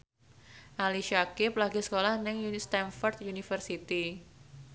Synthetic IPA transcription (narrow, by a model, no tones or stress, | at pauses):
ʔaliʃakɪplaɡisə̥kolahnɪŋjust̪ɛnfɔrt̪junifərsit̪i